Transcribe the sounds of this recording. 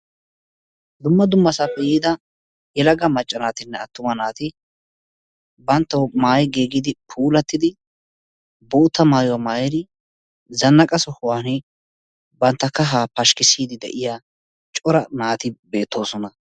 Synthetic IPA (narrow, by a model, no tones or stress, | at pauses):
d̪ʊmːɐd̪ʊmːɐsɐfɛjiːd̪ɐ | jɛlɐɡɐmɐt͡ʃʼːɐnaːt̪ɪnːɛɐt̪ːʊmɐnaːt̪ɪ | bɐnt̪ːɐwmaːjɡeːɡɪd̪ɪpʰuːlɐt̪ːɪd̪ɪ | boːt̪ːɐmaːjʊwɐmaːjɛd̪ɪ | zɐnːɐkʼɐsɔhʊwaːnɛ | bɐnt̪ːɐkːɐɦaːpɐʃkɪsiːd̪ɪd̪ɛ̰ʔɪjaː | t͡ʃʼɔɾɐnaːt̪ɪbe̞ːt̪ːo̞ːsɔnɐ